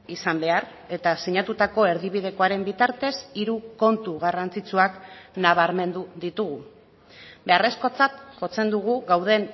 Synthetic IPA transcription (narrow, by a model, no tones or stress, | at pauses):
isambe̞ar | e̞t̪asiɲat̪ut̪ako̞e̞ɾðiβið̞e̞ko̞aɾe̞mbit̪aɾt̪e̞siɾuko̞nt̪uɣarant͡sit͡suaknaβ̞aɾme̞nd̪uðit̪uɣu | be̞are̞sko̞t͡sat̪ʝo̞t͡se̞nd̪uɣ̞uɣawð̞e̞n